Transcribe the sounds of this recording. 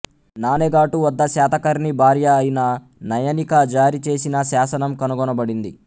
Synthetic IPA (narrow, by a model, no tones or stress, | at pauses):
naːneɡaːʈuʋɔd̪ːɐsaːt̪ɐkɐɾnibʱaːɾjɐːjinɐ | nɐjɐnikɐd͡ʒaːɾit͡ʃe̞ːsinɐʃaːsɐnɐmkɐnuɡɔnɐbɐɽind̪i